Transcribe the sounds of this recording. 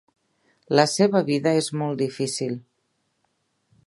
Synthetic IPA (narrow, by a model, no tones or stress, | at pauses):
ləseβəβiðəezmɔlˠd̪ifisilˠ